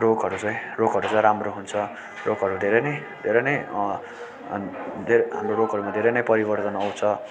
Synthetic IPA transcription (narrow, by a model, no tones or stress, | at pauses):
rokɦʌɾut͡sʌ̃j̃rokɦʌɾut͡sʌ̃ɾamroɦunt͡sʰʌ | rokɦʌɾud̪ʱeɾʌnʌj | d̪ʱeɾʌjnʌj | d̪ʱeɾɦamroɾoɡʱʌɾumad̪ʱeɾʌjnʌjpʌɾibʌrt̪ʌnʌwt͡sʰʌ